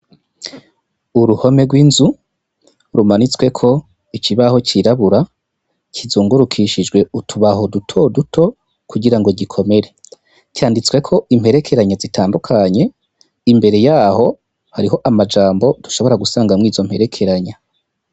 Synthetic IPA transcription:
uɾuho̞me̞ɡwiːnzu | ɾumanit͡swe̞kʰo̞ | ikʰiβaho̞cʰiɾaβuɾa | cʰizuːŋɡuɾukʰiʃid͡ʒɡwe̞utʰuβaɦo̞dutʰo̞dutʰo̞ | kuɡiɾaŋɡo̞ɟikʰo̞me̞ɾe̞ | caːndit͡swe̞kʰo̞imhe̞ɾe̞kʰe̞ɾaɲazitʰaːndukʰaɲe̞ | imbe̞ɾe̞jaːho̞ | haɾiɦo̞ʔamad͡ʒaːmbo̞d̥uʃo̞βo̞ɾaɡusaːŋɡamŋiːzo̞m̥he̞ɾe̞kʰe̞ɾaɲa

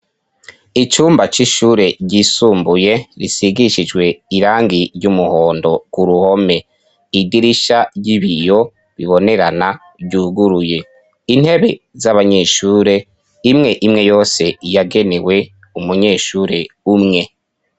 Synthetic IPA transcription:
it͡ʃuːmbat͡ʃiʃuːɾe̞ɟiːsuːmbuje̞ɾisiɡiʃid͡ʒɡwe̞iɾaːŋɡiɾɟumuho̞ːndo̞ɡ̥uɾuho̞me̞ | idiɾiʃaɟiβijo̞ | βiβo̞ne̞ɾana | ɟuɡuɾuje̞ | in̥he̞βe̞ | zaβaɲe̞ːʃuːɾe̞ | imŋe̞ʔimŋe̞jo̞ːse̞jaɡe̞ne̞we̞ | umuɲe̞ːʃuːɾe̞umŋe̞

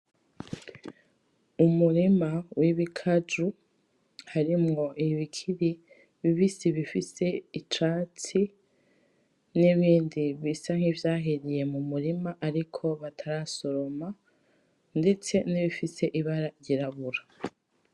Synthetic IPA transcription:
umuɾimawiβikʰad͡ʒu | haɾimŋo̞ʔiβikʰiɾi | βiβisiβifise̞it͡ʃaːt͡si | niβiːndiβisaŋ̥hivjaːɦiɾije̞mumuɾimaʔaɾikʰo̞βatʰaɾaso̞ɾo̞ma | nde̞t͡se̞niβifise̞ʔiβaɾaɾɟiɾaβuɾa

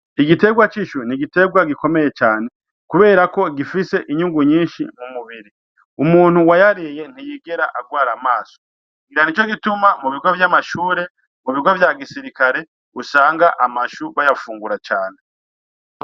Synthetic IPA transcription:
iɡite̞ɡwat͡ʃiʃuniɡite̞ɡwaɡiko̞me̞je̞t͡ʃaːne̞ | kuβe̞ːɾako̞ɡifise̞ʔiɲuŋɡuɲiːnʃḭmumuβiɾi | umuːn̥huwajaɾije̞n̥ijiːɡe̞ɾaʔaɡwaːɾamaːso̥ | ɡiɾanit͡ʃo̞ɡitumamuβiɡwovjamaʃuːɾe̞ | muβiɡwovjaɡisiɾikaɾe̞ | usaːŋɡaʔamaʃuβajafuːŋɡuɾat͡ʃaːne̞

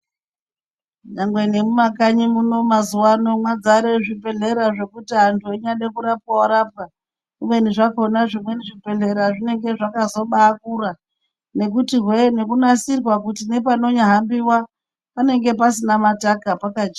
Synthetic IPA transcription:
ɲaŋɡwenemumakaɲimuno̞mazuwano̞mwad͡zaɾeʐipe̞ɮe̞ɾaʐe̞kutiɦantʰueɲaɗekuɾap̚kawaɾap̚ka | imwe̞niʐakonaʐimwe̞niʐipe̞ɮe̞ɾaʐine̞ŋɡe̞ʐakazo̞ɓaːkura | ne̞kutirwene̞kunasirwakutine̞pano̞ɲaɦambiwa | pane̞ŋɡe̞pasinamatakapakad͡ʒa

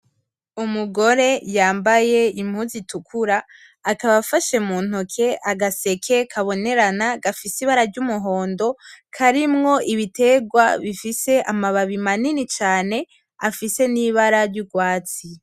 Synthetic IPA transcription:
umuɡo̞ɾe̞jaːmbaje̞im̥huzitukʰuɾaː | kaβafaʃe̞muːn̥ukʰe̞ʔaɡase̞kʰe̞kʰaβo̞ne̞ɾanaɡafisiβaɾaɾɟumuɦo̞ːndo̞kʰaɾimŋo̞ʔiβite̞ɡwaβifise̞ʔamaβaβimaninit͡ʃaːne̞ | afise̞niβaɾaɾɟuɡwaːt͡si

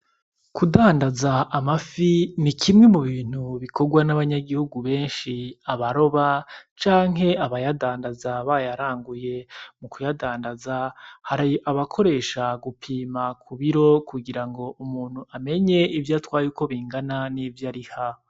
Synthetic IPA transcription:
kudaːndazaʔamafinikʰimŋe̞muβiːn̥huβikʰo̞ɡwanaβaɲaɡihuɡuβe̞ːnʃiaβaɾo̞βat͡ʃaːŋɦe̞aβajadaːndazaβajaɾaːŋɡuje̞mukujadaːndazahaɾajʔaβakʰo̞ɾe̞ːʃaɡupʰiːmakʰuβiɾo̞kuɡiɾaŋɡo̞ʔumuːn̥huame̞ɲe̞ivjatwaːjuko̞βiːŋɡananivjaɾiha

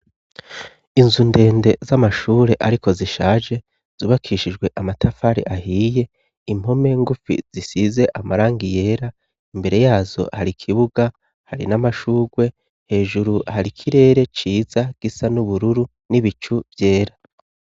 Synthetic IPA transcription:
inzunde̞ːnde̞zamaʃuːɾe̞ʔaɾiko̞ziʃaːʒe̞ | z̥uːβakʰiʃid͡ʒɡwe̞ʔamatʰafaɾḭʔahiːje̞ | im̥ho̞me̞ŋɡufḭz̥isize̞ʔamaɾaːŋɡije̞ːɾa | imbe̞ɾe̞jaːzo̞̰haɾikʰiβuɡa | haɾḭnamaʃuːɡwe̞ | he̞ːʒuɾuhaɾikʰiɾe̞ːɾe̞t͡ʃiːzaɡ̥isanuβuɾuɾu | niβit͡ʃuv̥je̞ːɾa

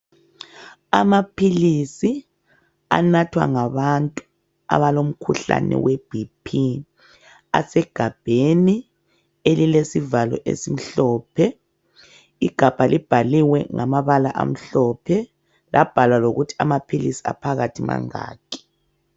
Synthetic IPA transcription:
amapʰilisi | a̰natʰwa̰ŋaβantʼu | a̰βalom̩kʰuɬa̰nɛ̰web̥ʱipʰi | a̰sɛɡ̥ʱab̥ʱeni | elilesivalɔ̰ʔḛsim̩ɬɔːpʰɛ | iɡ̥ʱab̥ʱalib̥ʱaliwɛŋamaβalaʔa̰m̩ɬɔpʰɛ | lʔab̥ʱalwaloɣutʰi̥amapʰilisi̥a̰pʰaɣatʰima̰ŋa̰ːkɛ̥

